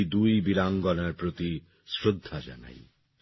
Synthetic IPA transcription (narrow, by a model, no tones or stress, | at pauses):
d̪ujbiɾaŋɡɔnaɾpɾot̪i | sɾod̪ʱːad͡ʒa̰na̰j